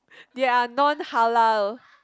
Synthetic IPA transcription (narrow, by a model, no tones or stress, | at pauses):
dɛanɔ̃nhalal